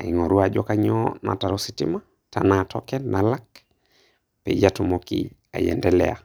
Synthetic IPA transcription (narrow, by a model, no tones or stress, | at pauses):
aiŋoɾuad͡ʒɔkaɲɔna̰taɾositḭma | tanatʰɔ̰kɛnalak | pɛ̰d͡ʒatumokḭ | a̰jɛ̰ndɛlɛ̰a